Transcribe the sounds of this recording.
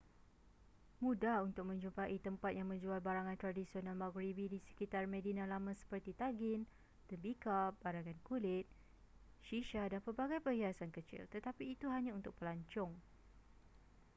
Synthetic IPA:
mũdahunt̪ʊk̚mə̃ɲd͡ʒumpaʔit̪əmpat̪̚jaŋmə̃ɲd͡ʒualbaɾaŋãnt̪ɾadisionalmaɡɾibidisə̥kit̪armẽdinãlamãsə̥pərt̪it̪aɡɪn | t̪əmbikabaɾaŋãnkulɪt̪̚ | ʃiʃadanpərbaɡajpəɦiasankət͡ʃḭlt̪ət̪apiːt̪uɦaɲãunt̪ʊk̚pəlaɲt͡ʃɔŋ

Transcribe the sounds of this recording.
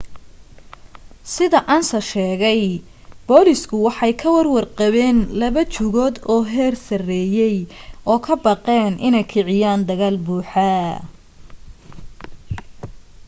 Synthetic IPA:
sɪðɐʔaːnsɐʃɛːɣɛj | b̥ɔːlɪskʰʊwɑħɑjkʰɐwɐrwɑrqɑβɛːnlɐβɐt͡ʃʊɣɔːd̪ɔːɦɛːrsɐrɛːjɛjʔɔːkʰɐbɑqɛːnʔɪnɛjkʰɪʕɪjaːnd̪ɐɣaːlbuːħɐ

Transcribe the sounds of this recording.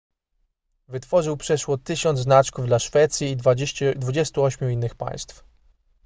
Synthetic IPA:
vɘt̪fɔʐɘwpʂɛʂwɔt̪ɘɕɔnd̪znat͡ʂkuvd̪laʂfɛt̪sʲjiːd̪vud͡ʑɛst̪uɔɕmʲuinːɘxpa̰j̃st̪f

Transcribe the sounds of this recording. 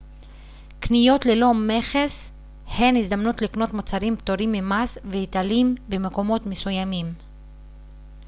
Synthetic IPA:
knijo̞t̪lelo̞me̞χes | he̞nizd̪amnut̪likno̞t̪mot͡saɾimpt̪oɾimːemasvehit̪alimbemeko̞mo̞t̪mesujamim

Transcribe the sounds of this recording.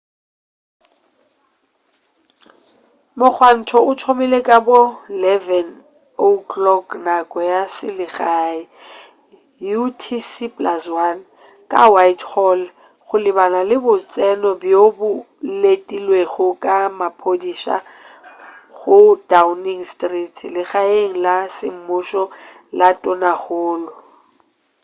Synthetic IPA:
mʊk͡xʰwan̩tʰɔʊtʰomɪlekʼabolɛvɛn | oklɔknakʼɔjasɪlɪɣaːi | jutʰisipʼlaswan | kʼawaitʰhɔl | ɣʊlɪbanalɪbʊt͡sʼɛnɔbjobʊ | letʼilweɣʊkʼamapʰodiʃa̰ | ɣʊdauniŋstritʰlɪɣaeŋ̩lasɪm̩mʊʃɔ | latʼɔnaɣʊːlʊ

